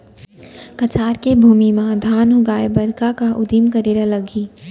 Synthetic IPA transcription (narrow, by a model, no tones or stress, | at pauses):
kɐt͡ʃaːɾkebʱuːmimãd̪ʱaːnɦʊɡaːebɐɾkakaʔʊd̪imkəɾeːɾaləɡiː